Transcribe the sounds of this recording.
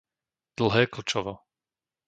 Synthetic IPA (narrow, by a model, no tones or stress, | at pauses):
d̪̥l̩ˠɦɛːkl̩t͡ʃɔʋɔ